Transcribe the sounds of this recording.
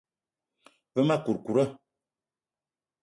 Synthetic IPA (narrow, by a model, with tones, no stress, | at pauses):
və˦ma˦ku˨ɾku˨ɾə˦